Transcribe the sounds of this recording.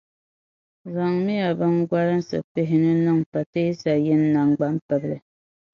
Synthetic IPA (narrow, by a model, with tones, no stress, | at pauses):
ɣa˨ŋmi˦ja˨bɨ˦ŋɡa˦lɨ˦n˦sɨ̰˨pe˦ɦɪ˦nɨ˦nɨ˦˨ŋpa˨te˦sa˨jɛ˦nː˦a˦ŋɡ͡ba˦m˦pɛ˨blɨ˨